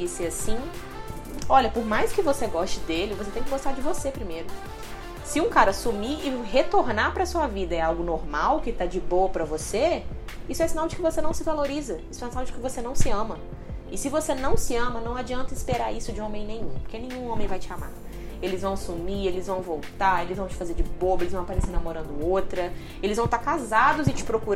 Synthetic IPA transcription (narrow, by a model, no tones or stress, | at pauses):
isɪasĩ | ɔʎɐpoɾmajskɪvoseɡɔʃt͡ʃɪd̪elɪvoset̪ẽj̃kɪɡost̪aɾd͡ʒɪvosepɾimejɾʊ | sɪũkaɾɐsumiɪɦet̪oɾnapɾɐsuɐvid̪ɐɛawɡʊnoɾmawkɪt̪ad͡ʒɪboɐpɾɐvoseisʊɛsinawd͡ʒɪkɪvosenɐ̃w̃sɪvaloɾizɐisʊɛsinawd͡ʒɪkɪvosenɐ̃w̃sɪɐ̃mɐ | ɪsɪvosenɐ̃w̃sɪɐ̃mɐnɐ̃w̃ad͡ʒiɐ̃nt̪ɐɪspeɾaɾisʊd͡ʒɪõmẽj̃nẽj̃ũpoɾkenẽɲ̃ũõmẽj̃vajt͡ʃɪama̰ | elɪzvɐ̃w̃sumielɪzvɐ̃w̃vowt̪aelɪzvɐ̃w̃t͡ʃɪ̥fazeɾd͡ʒɪbobelɪzṽapaɾesenamoɾɐ̃nd̪ʊot̪ɾɐ | elɪzvɐ̃w̃t̪aɾkazad̪ʊzɪt͡ʃɪ̥pɾokuɾ